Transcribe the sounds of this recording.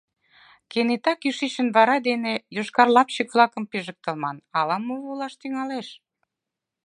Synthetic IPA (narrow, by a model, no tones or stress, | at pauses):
kenet̪ɑkyʃiʃə̆nβɑɾɑd̪enejoʃkɑrlɑpɕəklˠɑkə̆mpeʒək̚t̪ə̆lmɑnɑlɑmoulɑʃt̪yŋɑleʃ